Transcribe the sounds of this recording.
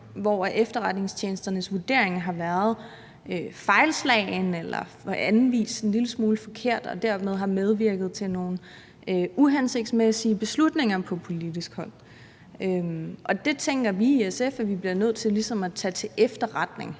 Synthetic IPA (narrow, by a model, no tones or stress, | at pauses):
ʋɒʔefd̥ɐʁäd̥ne̝ŋst͡ɕʰjeːnsd̥ɐnəsʋuɐd̥e̝ɐ̰eŋɦɑ̈ʋæɐð̞̩ˠ | øfɑ̈ɪlslɛ̰ːnelɐ̰ | ænʋḭːse̝nliləsmuːləfɒ̽kʰe̝ɐ̰d̥ɒ̽d̥æɐ̰með̞ˠɦɑ̈með̞ˠʋiɐɡ̥ð̞̩ˠt͡sʰe̝no̝ːn̩ | øuɦænse̝ɡ̥̚d̥smesiəb̥e̝slud̥ne̝ŋɐpʰɒ̽pʰo̝lid̥isɡ̥hɒ̽l̰ | ømʔɒ̽d̥e̝t͡sʰeŋɡ̥ɐʋiesefæʋib̥liɐnøð̞̰ˠt͡sʰe̝lisɒ̽mæt͡sʰɛːt͡sʰe̝ʔefd̥ɐʁad̥ne̝ŋ